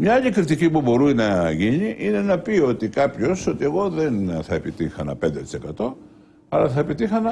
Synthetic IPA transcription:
mɲɐaʎikɾit̪icipubo̞ɾunɐʝiɲiʔine̞nɐpio̞t̪ikɐpço̞so̞t̪ie̞ɣo̞ðe̞nθɐe̞pit̪ixɐnɐ̰pe̞nd̪et̪i̥se̞kɐt̪o̞ | ɐlɐθɐepit̪ixɐnɐ

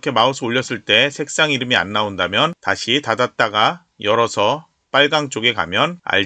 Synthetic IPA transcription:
kʰe̞mausʰɯoʎːʌs͈ɯɭt͈e̞sʰe̞k̚s͈aŋiɾɯmia̰nːaondamjʌntaɕʰitadat̚t͈aɡa | jʌɾʌsʰʌ | p͈aɭɡaŋt͡ɕ͈oɡe̞ka̰mjʌna̰ʎ

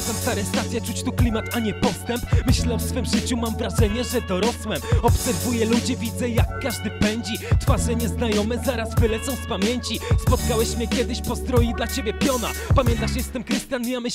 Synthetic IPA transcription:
zamst̪aɾɛst̪at̪sʲjɛt͡ʂut͡ɕt̪uklʲimat̪aɲɛpɔst̪ɛmpmɘɕlɛɔfsfɘmʐɘt͡ɕumamvɾaʐɛɲɛʐɛd̪ɔɾɔswɛmɔpsɛɾvujɛlud͡ʑɛvʲid̪zɛjakːaʐd̪ɘpɛɲd͡ʑit̪faʐɛɲɛznajɔmɛzaɾazvɘlɛt̪sɔ̃w̃spamʲjeɲt͡ɕispɔt̪kawɛɕmʲɛkʲɛd̪ɘɕpɔsd̪ɾɔjid̪lat͡ɕebʲɛpʲjɔna̰pamʲjɛ̃nt̪aʂɛst̪ɘmkɾɘst̪ʲjanijamɘ

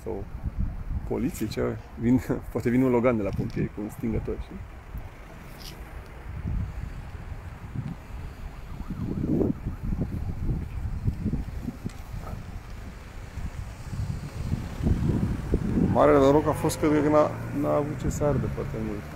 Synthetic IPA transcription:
sa̰w | po̞̰lit̪sijet͡ʃe | vinpoat̪e̞vineunlo̞ɡand̪elapomp̪iejkuunst̪iŋɡət̪o̞rʃi | maɾelenoɾo̞kafo̞st̪̚kɾet̪̚kəkənanaːvut̪̚t͡ʃe̞sard̪epat̪emult̪

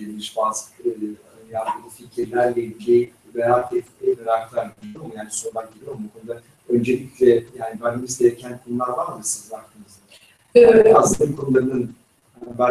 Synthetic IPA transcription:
elʲmiʃbaːzkʰ | jad̪ɯlɯficʰiɾlʲæɾlʲɛilʲd͡ʒʰejibɛɾaːt̪ɛt̪eb̪eɾaklˠaɾiomujaːniso̞ɾbak̚ɟelʲijombukʰonud̪a | ø̞nd͡ʒelʲiclʲɛjaːnibanimizd̪eɾecʰænkʰonulˠaɾvaɾmɯsɯzvaɾt̪ʰɯmɯz | eɛt̪asɯnakʰonulˠaɾɯnɯn | bæ

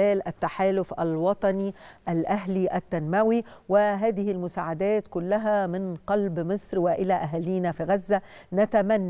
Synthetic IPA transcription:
æːlʔæt̪ːaħaːlʊfʔælwɑt̪ˤɑniʔælʔæɦliʔæt̪ːænmæwiwɪɦæːd̪ɪhɪlmʊsaːʕad̪æːt̪kʊlːæɦæmɪnqɑlbmɨsˤɾwɪʔɪlæʔaɦæliːnafiɣazːænat̪æmænː

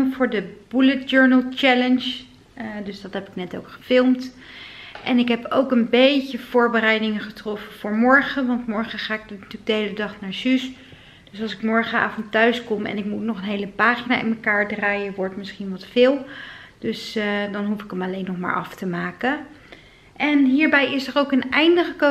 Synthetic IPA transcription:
vʊːɹdəb̥ulət̚d͡ʒøɹnəlˠt͡ʃɛlənʃ | dɵsdɑtɦɛpɪknɛtowkχə̥fɪlˠmt | ʔɛnɪkɦɛpowkənbejcəv̥ʊːɹbərɛjdɪŋəχətrɔfəv̥ʊːɹmɔɹχəʋɑntmɔɹχəχaːɪk̚dntyːɡ̚dəɦejlədɑχnaːɹzys | d̥øsɑlˠsɪkmɔɹχəa̰ːfɔntœɥskɔmɛ̰nɪkmutnɔχənɦejləpaːχina̰ːɪ̰nməkaːɹdraːjəʋɔɹtmɪsχinʋɑtfɪːlˠd̥øsdɑnɦufɪkəmɑlejnːɔχma̰ːɹʔɑ̰ftəmaːkə | ʔɛnɦiːɹbɛjɪsərowkənɛjndəχəko

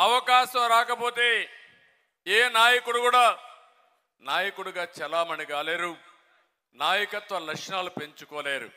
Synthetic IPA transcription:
ɐʋɐkaːʃɐmɾaːkɐpo̞ːt̪e̞ː | eːnaːjɐkuɽukuːɽaː | naːjɐkuɽuɡaːt͡ʃɛlaːmɐɳiɡaːleːɾu | naːjɐkɐt̪ʋɐlɐkʂnaːlupe̞ɲt͡ʃukɔːleːɾṵ

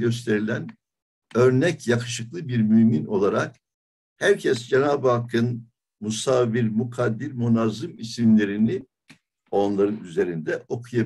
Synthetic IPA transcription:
ø̞s̬t̪ʰe̞ɾilʲæn | ø̞ɾnɛcjakʰɯ̥ʃɯklˠɯbiɾmymino̞lˠaɾak̚ | hæɾcʰɛsd͡ʒenaːbɯhakʰːɯn | musaviɾmukʰad̪ːiɾmunazɯmisimlʲe̞ɾini | o̞nlˠaɾɯnyze̞ɾind̪ɛʔo̞kʰuja

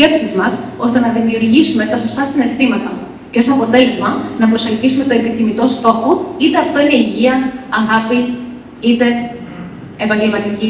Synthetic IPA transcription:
e̞psizmɐso̞st̪e̞nɐðimiuɾʝisume̞t̪ɐso̞st̪ɐsine̞st̪imɐt̪ɐ | ce̞st̪oɐpo̞t̪e̞le̞zmɐnɐpɾo̞sɐlçisume̞t̪oe̞piθimit̪o̞st̪o̞xoit̪e̞ɐft̪o̞ineiʝiɐɐɣɐpi | it̪e̞ː | pɐɲɟe̞lmɐt̪ici

